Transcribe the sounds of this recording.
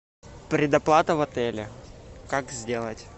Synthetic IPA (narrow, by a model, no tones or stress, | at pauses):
pɾʲɪd̪ɐplˠat̪əvɐt̪ɛlʲɪ̰kakzʲdʲe̞lˠətʲ